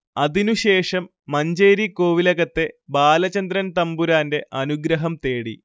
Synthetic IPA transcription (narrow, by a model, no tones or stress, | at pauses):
ɐðinuɕe̞ːʂɐmːɐɲd͡ʑeːɾiko̞ːʋilɐɣɐt̪ːe̞baːlɐt͡ɕɐnd̪ɾɐnt̪ɐmbuɾaːnde̞ʔɐnuɡɾɐɦɐmt̪e̞ːɽḭ